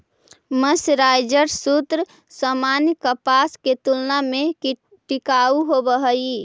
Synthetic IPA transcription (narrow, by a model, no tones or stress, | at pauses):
məsɾajd͡ʒəɾsut̪ɾ | səmanjkəpasket̪ulname | ʈikauɦobəɦəi